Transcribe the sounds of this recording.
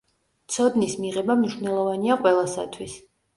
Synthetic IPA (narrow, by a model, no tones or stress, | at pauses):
t̪sʰɔd̪nismiʁɛbamniʃwnɛlˠɔvaniaqʼwɛlˠasa̰t̪ʰwis